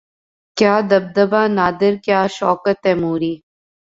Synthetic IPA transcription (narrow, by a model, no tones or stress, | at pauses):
kjaːd̪ɐb̚d̪əbaːnaːd̪ɪɾkjaːʃɔːkət̪ɦɛːmuːɾiː